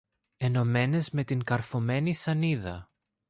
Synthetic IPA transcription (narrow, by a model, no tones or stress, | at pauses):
e̞no̞me̞ne̞zme̞t̪iŋkɐɾfome̞nisɐniðɐ̰